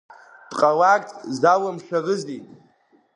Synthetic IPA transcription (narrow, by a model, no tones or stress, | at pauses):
d̥ʼqʼawakʼtʼʰzawamʂarɨzitʼ